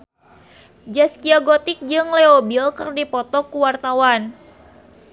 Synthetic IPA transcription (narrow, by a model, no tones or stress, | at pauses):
d͡ʒaskiaɡot̪ɪk̚d͡ʒɨŋleobilkɨrdipɔt̪ɔkuwart̪awan